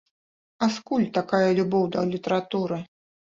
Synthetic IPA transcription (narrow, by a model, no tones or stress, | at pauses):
askulʲt̪akajɐlʲubɔwd̪ɐlʲit̪ɐɾat̪uɾɨ